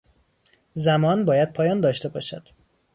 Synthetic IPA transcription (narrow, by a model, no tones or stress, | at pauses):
zæmɒːnbɒːjæd̪̥̚pʰɒːjɒːnd̪ɒːʃt̪e̞bɒ̰ːʃæd̪̥